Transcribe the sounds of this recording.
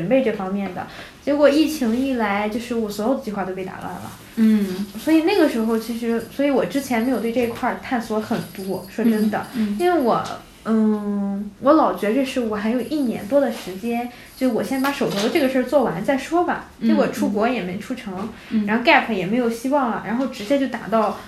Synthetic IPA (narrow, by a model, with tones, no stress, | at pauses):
ʈ͡ʂə˨˩npe˥˧ɪʈ͡ʂɤ˥˩fɑ˥ŋmjɛ˥˩nd̪ə̰˩t͡ɕjɛ˧˥kwɔ˨˩i˥˩t͡ɕʰi˧˥ŋi˥˩la˧˥ɪt͡ɕjo˥˧ʊʂɻ̩˥˩wɔ˨˩swɔ˧˥jo˨˩d̪ə˩t͡ɕi˥˧xwa˥˩t̪o˥ʊpe˥˩ɪt̪a̰˧˥ka̰˥˩lə̰˩ | swɔ˧˥i˨˩na˥˩ɡə˩ʂɻ̩˧˥xo˥˧ʊt͡ɕʰi˧˥ʂ̬ɻ̩˧˥swɔ˧˥i˧˥wɔ˨˩ʈ͡ʂɻ̩˥t͡ɕʰjɛ˧˥nme˧˥ɪjt̪wʈ͡ʂi˧˥kʰwa˥˧t̪ʰa˥˩nswɔ˧˥xə˨˩nt̪wɔ˥ʂwɔ˥ʈ͡ʂə˥nd̪ə˨i˥nwe˥˩ɪwɔ̰˨˩˦ | n̩˥˩ | wɔ˧˥lɑ˨˩ʊt͡ɕɥɛ˧˥ʈ͡ʂɤ˥˧ʂɻ̩˥˩wɔ˨˩xa˧˥ɪjo˨˩ʊʔi˥˩njɛ̰˧˥nt̪wɔ˥d̪ə˨ʂɻ̩˧˥t͡ɕjɛ˥n | t͡ɕjʊʂwɔ˨˩ɕɛ˥nt͡sba˧˥ʂo˨˩ʊt̪ʰu˧˥d̪ə˧ʈ͡ʂɤ˥˩ɡə˩ʂə˞˥˧t͡swɔ˥˩wa˧˥nt͡sa˥˩ɪʂwɔ˥bɐ̰˨˩t͡ɕwɔ˨˩ʈ͡ʂʰu˥kwɔ˧˥jɛ˨˩me˧˥ɪʈ͡ʂʰu˥ʈ͡ʂʰɤ˧˥ŋ | ɻa˧˥nxo˥˧ʊka˥˩ɪpʰə˩jɛ˨˩me˧˥ɪjo˨˩ʊɕi˥wɑ˥˩ŋlə̰˩ɻʔa˧˥nxo˥˩ʊʈ͡ʂɻ̩˧˥t͡ɕjɛ˥t͡ɕjo˥˩ʊt̪a̰˨˩t̪ɑ˥˩ʊ